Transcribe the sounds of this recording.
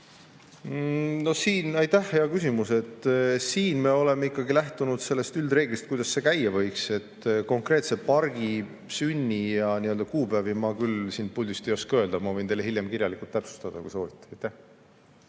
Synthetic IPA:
no̞hsiːnɑjt̪æhːe̞ɑkys̬imuse̞t̪ːsiːnme̞o̞le̞meikːˑɑɡilæht̪unud̪̥se̞lːe̞st̪yld̪reːɡ̥list̪kujd̪ɑsːe̞kæjevɤ̞jkse̞t̪ːko̞ŋkre̞ːt̪se̞pɑrɡ̥i | synʲːijɑniøld̪̥ɑkuːbævimɑkylsiːnpulʲd̪ʲust̪ejo̞skøld̪ɑmɑvɤjnt̪e̞jlehiljemkirʲjɑlikult̪ːæpsu̥st̪ɑd̪̥ɑ̰kṵjso̞ːvit̪ːˑe̥ɑjt̪æh

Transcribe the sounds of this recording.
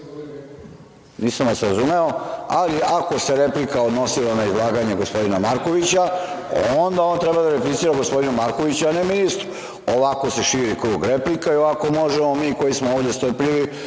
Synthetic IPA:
niːsamʋasɾazume̞o̞aliʔako̞se̞ɾeplikaod̪no̞silanaizlˠaːɡaɲeɡo̞spo̞d̪inamaɾko̞ʋit͡ɕa | ond̪ao̞nt̪ɾebad̪aɾeplit̪iːɾaɡospod̪inumaɾko̞ʋit͡ɕuaneminist̪ɾu | oʋako̞se̞ʃiːɾikɾuːɡɾeplikaioako̞mo̞ʒemomiːko̞jismooːʋd̪e̞st̪oɾpʎiʋi

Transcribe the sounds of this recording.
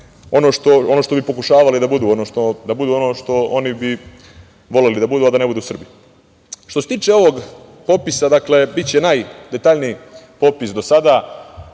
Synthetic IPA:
o̞no̞ʃt̪o̞o̞no̞ʃt̪o̞bipo̞kuʃaːʋalid̪abud̪uːonoʃt̪od̪abud̪uo̞no̞ːʃt̪o̞onibi | ʋo̞le̞lid̪abud̪uad̪ane̞bud̪uːsr̩bi | ʃt̪ose̞t̪iːt͡ʃe̞o̞ʋo̞ɡ | po̞pisad̪akle̞bit̪t͡ɕenajd̪e̞t̪aːʎniipopisd̪o̞sad̪a

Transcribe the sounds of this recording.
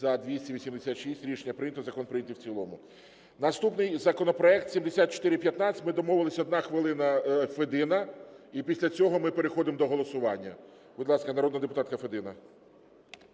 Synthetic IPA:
zɐd̪ʋʲisʲtʲiʋʲisʲimd̪esʲat̪ʃisʲtʲɾʲiʃenʲːɐpɾɪnʲɐt̪ɔzɐkɔnpɾjɛt̪ʲiwt͡sʲilˠɔmʊ | nɐst̪upnɪjzɐkɔnɔpɾɔɛk̚t̪sʲimd̪esʲat̪̚t͡ʃɔ̥t̪ɪɾɪpjɐt̪nɑt͡sʲɪ̥tʲmɪd̪ɔmɔʋɪlˠɐsʲɐɔd̪nɑxʋɪlˠɪnɐfed̪ɪnɐipʲisʲlʲɐt͡sʲɔɦɔmɪpeɾexɔd̪ɪmd̪ɔɦɔlˠɔsʊʋɑnʲːɐ̰ | bʊd̪lˠɑskɐnɐɾɔd̪nɐd̪epʊt̪ɑt̪̚kɐfed̪ɪnɐ

